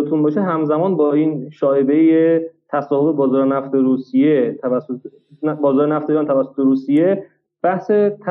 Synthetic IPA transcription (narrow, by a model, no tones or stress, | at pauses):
et̪ʰunbɒːʃeɦæmzæmɒːnbɒːiːnʃɒːebejet̪ʰæsɒːhofebɒːzɒːɾenæft̪eɾuːsijet̪ʰː | bɒːzɒːɾenæft̪eiɾɒːnt̪ʰævæsːot̪ʰeɾuːsije̞ | b̥æhse̞t̪ʰ